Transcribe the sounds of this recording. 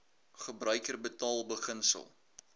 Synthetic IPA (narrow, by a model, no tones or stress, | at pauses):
χəbrœɥkərbətɑːlˠbəχənsə̰lˠ